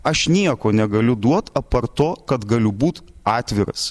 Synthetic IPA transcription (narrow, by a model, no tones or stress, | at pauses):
ɐʃnʲiɛkoːnʲɛɡɐlʲʊd̪uɔt̪ɐpɐrt̪oːkɐt̪ɡɐlʲʊbuːt̪ɑːt̪ʲʋʲɪɾɐ̰s